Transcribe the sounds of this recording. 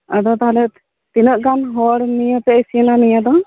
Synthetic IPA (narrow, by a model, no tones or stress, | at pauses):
ad̪ɔt̪aɦalɛ | t̪inəʔɡanɦɔɽnijəp̪ɛesiənanijad̪ɔ